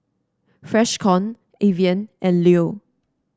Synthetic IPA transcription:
fɹɛʃkʰɔ̃n | eviə̃nʔɛ̃nlio

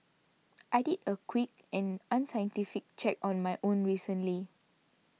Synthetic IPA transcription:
ʔajdidəkʰwik̚ɛ̃nãnsajə̃ntifik̚t͡ʃɛkɔ̃nmajʔõnɹisə̃nli

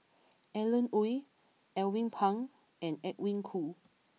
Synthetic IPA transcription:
ʔɛlə̃nuj | ʔɛlwĩŋpʰãŋ | ɛ̃nɛk̚wĩŋkʰu

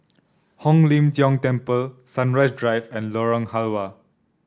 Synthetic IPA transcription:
hɔ̃ŋlĩmsjɔ̃ŋtɛ̃mpəlsãnɹajsdɹajvɛ̃nlɔɹɔ̃ŋhalwa

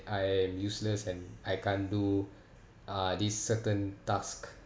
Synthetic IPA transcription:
ʔajɛ̃mjusləsɛ̃najkãndu | adisːətə̃ntask

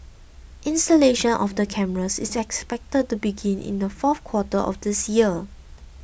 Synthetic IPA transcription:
ʔĩnstəleʃə̃nʔɔfdəkʰɛməɹəsḭsɛkspɛk̚təd̚tubiɡĩnʔɪ̰̃ndəfɔfkʰwɔtəʔɔ̰fdɪsjiə

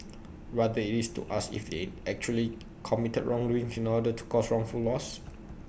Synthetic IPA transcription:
ɹadəitistṵʔasḭfdḛɛk̚t͡ʃuəli | kʰɔmitət̚ɹɔ̃ŋɹuĩŋsĩnɔdətʰu̥kʰɔsɹɔ̃ŋfulːɔs

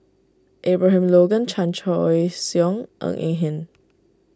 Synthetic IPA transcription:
ʔebɹaɦãmloɡə̃nt͡ʃʰãnt͡ʃɔjsjɔ̃ŋʔə̰̃ŋʔḭ̃ŋɦɛ̃n

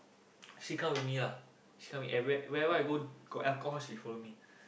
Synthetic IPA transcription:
ʃikãmwitmila | ʃi̥kʰãmwiʔɛwɛwɛɛvəaɡoɡ̥oʔɛlkɔɦɔsbifɔimi

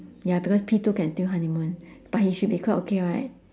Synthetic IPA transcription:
jabikɔspʰipəkɛ̃ntiɦãnĩmə̃nb̥aʔ̚hiʃud̚bikʰɔtokʰeɹaɪt̚

